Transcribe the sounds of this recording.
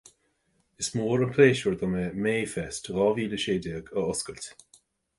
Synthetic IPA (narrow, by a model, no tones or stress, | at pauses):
ɪsmoːɹənpʰleːʃəɹd̪ɔməmeːfɛstɣɔviːləʃeːdɪːɡəʊskəlt